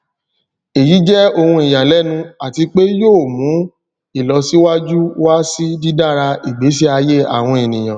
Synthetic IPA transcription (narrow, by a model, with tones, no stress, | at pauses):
e˨ji˨˦d͡ʒɛ˦o˧hũ˧i˨ja˨lɛ˨˦nũ˧a˨ti˧k͡pe˦joː˦˨mũ˨˦ | i˦˨lɔ˧si˦wa˦d͡ʒu˦wa˦si˦di˦da˦˨ɾa˧i˨ɡ͡be˨˦s̬i˦a˧je˦a̰˨w̃ɔ̃˧e˨nĩ˨j̃ã˨